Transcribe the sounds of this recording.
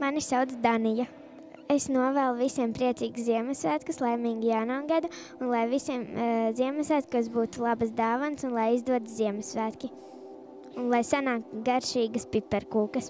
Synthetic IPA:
manisawd̪zd̪anija | esnuɔvæːlˠuvisʲiɛmpɾiɛt̪sʲiːɡsziɛmɛsʋæːt̪kuslˠajmiːŋɡijaːnaːɡad̪a | unlˠajvisiɛmziɛmɛsʋæːt̪̚kas̬buːt̪ulˠabasd̪aːvansunlˠajizd̪uɔt̪ziɛmɛsʋæːt̪kʲi | unlˠajsanaːk̚t̪ɡaɾʃiːɡɐspipːɛɾkuːkɐs

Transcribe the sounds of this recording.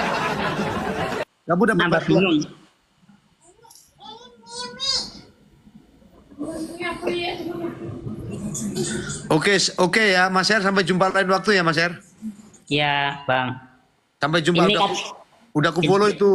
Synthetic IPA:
ɡabudaabat̪u | okesokejamasɛarsampɛd͡ʒumpalainwak̚t̪ujamas̬ɛr | jabaŋ | sampɛd͡ʒumpada | udakufɔlɔit̪u

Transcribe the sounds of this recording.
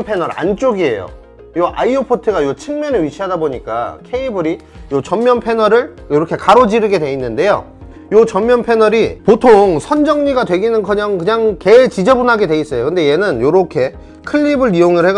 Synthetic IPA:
npʰe̞nʌɾa̰nt͡ɕ͈oɡie̞̰jo̰ | joʔaiopʰotʰɯɡajot͡ɕʰɯŋmjʌneɥit͡ɕʰiɦadaboɲik͈a̰kʰe̞ibɯɾi | jot͡ɕʌmmjʌnpʰe̞nʌɾɯɭjoɾʌkʰe̞kaɾod͡ʑiɾɯɡe̞dwe̞inːɯnde̞jo̰ | jot͡ɕʌmmjʌnpʰe̞nʌɾipotʰoŋsʰʌnd͡ʑʌŋɲiɡadwe̞ɡinɯnkɯɲaŋkɯɲaŋke̞t͡ɕid͡ʑʌbunɦaɡe̞dwe̞is͈ʌjokɯnde̞je̞nɯnjoɾʌkʰe̞ | kʰɯʎːibɯɾijoŋɯɭheɡ

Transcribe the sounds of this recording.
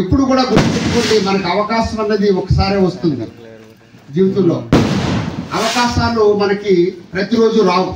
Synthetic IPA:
epːuɽukuːɽaːɡuɾpit͡ʃukuɳɖimɐnɐkiɐʋɐkaːʃɐmɐnːɐd̪iɔkɐ̥saːɾeːʋɐst̪und̪ḭ | d͡ʒiːʋɐt̪unlo̰ː | ɐʋɐkaːʃaːlːumɐnɐkipɾɐt̪iɾo̞ːd͡ʒuɾaːu

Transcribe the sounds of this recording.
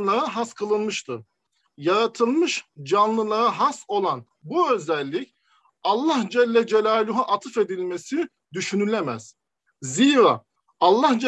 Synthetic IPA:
lˠaɾaɦaskʰɯlˠɯnˠmɯʃt̪ʰɯ | jaɾat̪ʰɯlˠmɯʃd͡ʒanlˠɯlˠaɾaɦaso̞lˠan | buø̞zælʲːic | ɑlˠːahd͡ʒɛlʲːɛd͡ʒelʲaːlʲuɦaʔat̪ʰɯfe̞d̪ilʲmesi | d̪yʃynylʲemæz̥ | ziːɾaː | alˠːahd͡ʒ

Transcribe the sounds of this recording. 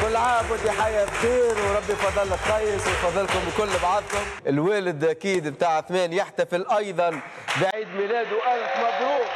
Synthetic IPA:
kʊlːʕaːmkɪnt̪iħajabxiːɾwɾˤɑbːijfɑðˤːɑlːɪt̪ːɑjɪswɪjfɑðˤːɪlkʊmbɪkʊlːbʕad̪ˤkʊmʔɪlweːlɪd̪ʔakiːd̪bt̪aːʕɪθmeːnjɪħt̪afɪlʔɑjd̪ˤɑn | bɪʕiːd̪miːleːd̪ʊwʔaɾfmakɾuː

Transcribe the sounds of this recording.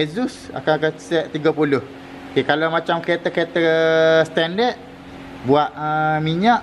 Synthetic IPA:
ezusa̰kakəsɛʔt̪iɡapulʊh | okekalamat͡ʃamkɾet̪akəet̪ast̪ɛndəʔ̪̚ | buaʔəmiɲaʔ

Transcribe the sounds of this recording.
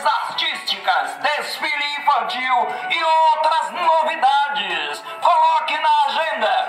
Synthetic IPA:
zaɾt̪ist͡ʃikɐzd̪esfiɾĩfɐ̃nt͡ʃiwɪowt̪ɾɐznovid̪ad͡ʒɪs | kolɔkɪ̃nɐaʒẽnd̪ɐ

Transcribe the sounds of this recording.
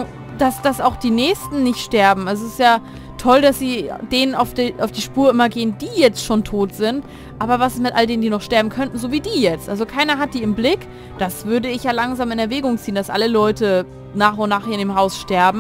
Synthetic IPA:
d̥asd̥asaʊxd̥iːnɛːçstn̩nɪçtʃtɛɐbm̩asoɪstjaː | tʰɔldasz̥iːd̥eːnənaʊfd̥iʔaʊfd̥iːʃpuːɐɪmɐɡeːənd̥iːjɛt͡stʃoːntʰoːtz̥ɪnt | ʔaːbɐvasmɪtʔaldeːnəndiːnɔχʃtɛɐbm̩kʰœntn̩zoːviːdiːjɛt͡stʔalzokʰaɪnɐɦat̚d̥iːɪmblɪk | d̥asv̥ʏɐdəɪçjaːlaŋzaːmɪnɛɐvɛːɡʊŋt͡siːənd̥asʔa̰ləlɔʏtə | naːχʊntnaːχheːɐndeːmɦaʊsʃtɛɐbm̩

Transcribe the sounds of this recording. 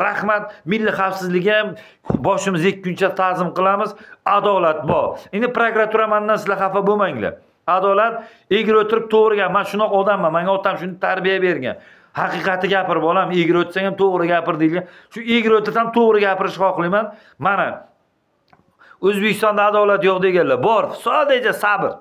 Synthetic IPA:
ɾahmat̪̚mɪlːɪχafsɪzlɪɡʲɪam | bɒʃɪmɪzekʲʰːʊnt͡ʃat̪ʰazɪmqɨlˠamɪzad̪ɒlat̪̚bɒɾend̪ɪpɾokɾat̪ʰuɾamand̪ːansɪlaχafabomaŋlɪ̰ | ad̪ɒlat̪̚ | eɡʲɪɾot̪ʰɪɾɪp̚t̪ʰoʁɾɪɡʲamanʃʊnd̪ɒqɒd̪amːanmaŋʲaɒt̪ʰamʃʊnɪt̪ʰaɾbijabe̞ɾɡʲa̰n | hɑqɨqɑt̪ʰɪɡʲapɪɾɪbɒlameɡʲɪɾɵt̪saŋamt̪ʰoʁɾɪɡʲapɪɾd̪ejlɡʲanʃʊeɡʲɪɾot̪ɪɾɪsamt̪ʰoʁɾɪɡʲapɪɾɪʃhɒqlˠɪjman | mana | ɵzbekʲʰɪ̥st̪ɒnd̪aːd̪ɒlat̪jɒʁd̪eɡʲanlːabɒɾfsɒd̪ad͡ʒasabɪɾ

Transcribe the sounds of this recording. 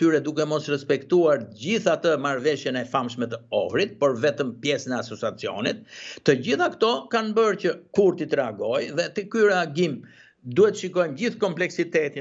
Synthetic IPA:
t̪yɾɛd̪ukɛmɔsɾɛspɛkt̪uaɾɟiθat̪əmaɾvɛʃjɛnɛfamʃmɛt̪əɔ̰fɾit̪̚pəɾvɛt̪əmpjɛsənɛasɔt͡sat͡siɔ̰nit̪ːəɟiθakt̪ɔkanbəɾcəkuɾt̪it̪əɾɛaɡɔjðɛt̪ɛkyɾɛaɡim | d̪uhɛt̪ːəʃikɔjmd͡ʑiθkɔmplɛksit̪ɛt̪i

